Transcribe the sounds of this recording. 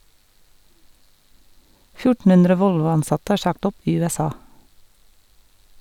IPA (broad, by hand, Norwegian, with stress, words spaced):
ˈfjʊʈn̩ ˈʉndɾə ˈʋɔlʋʊɑnˌsɑtə ˈæː ˈʃɑkt ˈɔp ˈiː ˌʉːɛˈsɑː